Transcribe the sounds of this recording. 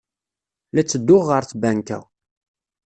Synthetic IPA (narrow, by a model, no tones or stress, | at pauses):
læt͡sːəd̪ːʊʁːəɾθbænkæ̰w